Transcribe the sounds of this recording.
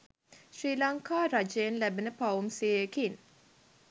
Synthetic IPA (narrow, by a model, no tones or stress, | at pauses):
ʃriːlɐŋkaːɾad͡ʒeenlæbenəpɐumsiekin